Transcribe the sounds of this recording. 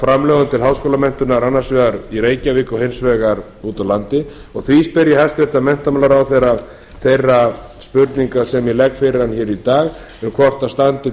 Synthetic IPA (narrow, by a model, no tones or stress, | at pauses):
fɾamlɛːɣʏmt̪ʰɪlɦawskoːlamɛn̥t̪ʏnaɾanːaɾ̥svɛːɣaɾiɾeːjcavɪkɔhensvɛɣaɾ | uːt̪awlant̪ɪ | ɔɣθvispɪɾjahɛst̪vɪɾ̥t̪amɛn̥t̪amalaɾawθejɾav | θejrːa | spʏɾt̪niŋkasɛmjɛlɛkfɪɾɪɾ̥ançɛːɾit̪aːɣ | ʏmkʰvɔr̥t̪ast̪ant̪ɪ